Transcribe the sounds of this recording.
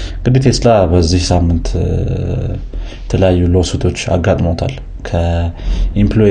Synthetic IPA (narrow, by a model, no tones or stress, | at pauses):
ɡ̥ɨd̪it̪ʰeslabəzːihsamːɨnt̪ | ɛt̪ʰələjajːulowsut̪ʰo̞t͡ʃːa̰ɡat̪ʼmot̪ʰal | kʰə | implo